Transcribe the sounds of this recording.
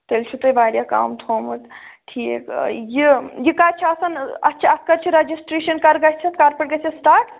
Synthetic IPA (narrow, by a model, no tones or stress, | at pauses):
t̪ɐlt͡ʃʰut̪ɐjbaːɾjaka̰ːmt̪ʰomɨt̪ʈʰikjijikaɾt͡ʃʰiɐsɐnɐ̰tːt͡ʃʰɐskɐɾt͡ʃʰiɾɐd͡ʒisʈɾeʃɐnkɐɾɡɐt͡ʃʰɐt̪kaɾpɐʈɡɐt͡ʃʰisʈaːʈ